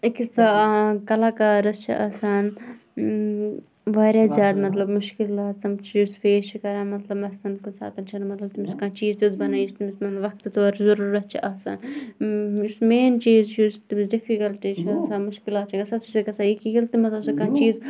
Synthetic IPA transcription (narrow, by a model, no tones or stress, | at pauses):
kisɐkɐlaːkaːɾɐst͡ʃʰḭʔɐ̰ːsaːn | ʋaːɾʲjaːzjaːd̪mɐt̪lɐbmʊʃkilaːt̪sɐmt͡ʃʰːsfeːst͡ʃʰikɐɾaːnmɐt̪lɐbɐsaːnkusa̰ːt̪ɐnt͡ʃʰɐnmɐt̪lɐb̚t̪imiskãːt͡ʃiːzt̪izbɐnaːjist̪imɪsmɐnʋɐkt̪ɨt̪oːɾzɐɾuːɾɐst͡ʃʰiʔɐːsa̰ːn | jusmeːnt͡ʃiːzt͡ʃʰist̪imisɖifikɐlʈit͡ʃʰsamʊʃkɪlaːt̪t͡ʃʰiɡɐsɐt͡ʃʰisɐɡɐsaːikijilt̪imɐt̪lɐbsɐkãːnt͡ʃiːz